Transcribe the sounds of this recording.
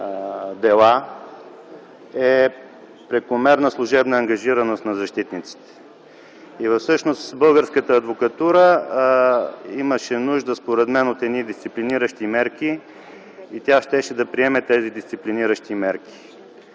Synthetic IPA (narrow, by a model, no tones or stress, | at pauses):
d̪ɛlˠa | ɛ | pɾɛkʊmɛɾnəslˠʊʒɛbnəːŋɡɐʒiɾənost̪nɐzɐʃt̪it̪nit̪si̥t̪ɛ̥ | ivɐfsɤʃnost̪bɤlˠɡəɾskət̪əːd̪vokɐt̪uɾə | iməʃɛnuʒd̪əspoɾɛd̪mɛnot̪ɛd̪nid̪ist̪sipliniɾəʃt̪imɛɾkiː | t̪ʲjaʃt̪ɛʃɛd̪ɐpɾiɛmɛt̪ɛzid̪ist̪sipliniɾəʃt̪imɛɾki̥